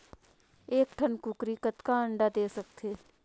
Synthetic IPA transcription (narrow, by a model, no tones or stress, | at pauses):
eːk̚ʈʰənkukɾiːkət̪kaə̃ɳɖad̪eːsək̚t̪ʰeː